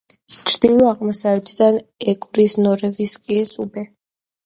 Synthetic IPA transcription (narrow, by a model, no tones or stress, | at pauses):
t͡ʃʰɾd̪̥ilɔaʁmasavɛt̪ʰʼd̪anɛkʼɾisnɔɾɛviskʼiɛsubɛ